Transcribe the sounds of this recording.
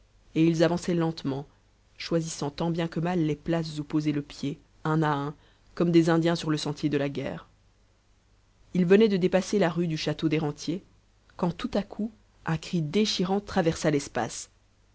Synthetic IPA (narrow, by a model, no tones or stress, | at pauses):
eilzavɑ̃sɛlɑ̃t̪mɑ̃ | ʃwazisɑ̃t̪ɑ̃bjɛ̃kəmalːeplas̬zupozeləpje | ɛ̃naɛ̃ | kɔmd̪ezɛ̃d̪jɛ̃syʁləsɑ̃t̪ʰjed̪əlaɡɛ̰ːʁ | ilvənɛd̪əd̪epaselaʁyd̪yʃat̪od̪eʁɑ̃t̪je | kɑ̃t̪ut̪akʰu | ɛ̃kχid̪eʃiʁɑ̃t̪χavɛʁsalɛspa̰s